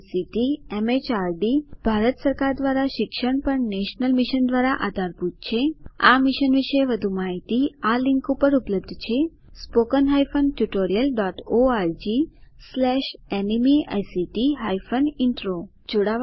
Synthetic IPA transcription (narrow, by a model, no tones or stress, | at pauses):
siʈiemet͡ʃaɾɖib̥ʱaɾət̪səɾkaɾd̪ʋaɾaʃɪkʃəɳpəɳneʃnəlmiʃənd̪ʋaɾaʔa̰d̪ʱaɾput̪̚t͡ʃʰeamiʃənʋiʃeʋəd̪ʱumaɦit̪ialɪ̃ŋkupəɾupləb̚d̪ʱt͡ʃʰe | spokənɦajfənʈjuʈoɾijəlɖɔʈoaɾd͡ʒislɛʃenimia̰jsiʈiɦajfəniɳʈɾo | d͡ʒoɽa